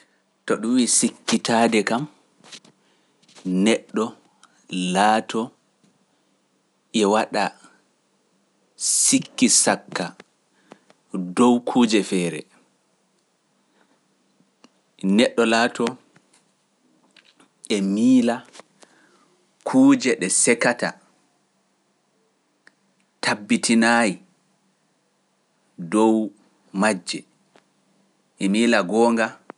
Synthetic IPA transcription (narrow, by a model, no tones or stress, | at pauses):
tɔɗuwiːsikːitaːdɛkam | nɛɗːɔ | laːtʰɔ | ʔɛwaɗa | sikːisakːa | dɔwkʰuːd͡ʒɛfɛːɾɛ̰ | nɛɗːɔlaːtʰɔ | ʔɛmiːla | kʰuːd͡ʒɛɗɛsɛkata̰ | tʰabːitinaji | dɔw | mad͡ʒːɛ | ʔɛmiːlaɡɔːŋɡa